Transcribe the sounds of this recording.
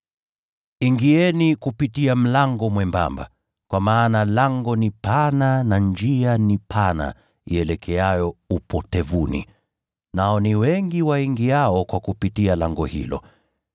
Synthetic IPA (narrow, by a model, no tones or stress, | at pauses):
iŋɡiɛnikupitiam̩laŋɡɔmwɛmba̰mba̰ | kwamaːnalaŋɡɔnipananand͡ʒianipʰana̰ | ḭɛlɛkʰɛajɔupʰɔtɛvunḭ | naɔniwɛŋɡiwaiŋɡiaɔkwakupitialaŋɡɔhḭlɔ̰